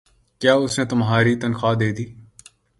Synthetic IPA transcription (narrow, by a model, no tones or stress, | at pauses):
kjaːʊsneːt̪ʊmɦaːɾiːt̪ənxaːd̪eːd̪iː